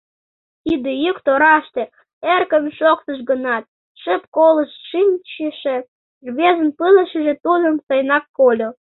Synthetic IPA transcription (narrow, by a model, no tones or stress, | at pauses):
id̪ejykt̪oɾɑʃt̪ĕ | erkəmʃokt̪əʃɡənɑt̪̚ | ʃə̆p̚koləʃʃimʲt͡ɕiʃĕ | ʒβʲezə̆npɨlə̆ʃə̆ʒĕt̪ud̪ə̆nsɤjnɑkːolʲo